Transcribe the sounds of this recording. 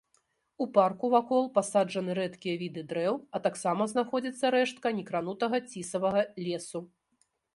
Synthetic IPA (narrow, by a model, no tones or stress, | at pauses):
uparkuvakɔlˠpasad͡ʐɐnɨɾɛt̪kʲijɐvʲid̪ɨd̪ɾɛwɐt̪aksamɐznaxɔd͡zʲɐt̪sːɐɾɛʂt̪̚kɐnʲɛkɾan̪ut̪ɐɣɐt͡sʲisɐvɐɣɐlʲeɛsu